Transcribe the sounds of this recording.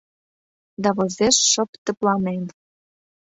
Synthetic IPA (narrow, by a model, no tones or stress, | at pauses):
d̪ɑβozeʃːɤ̆pt̪ə̆plɑnen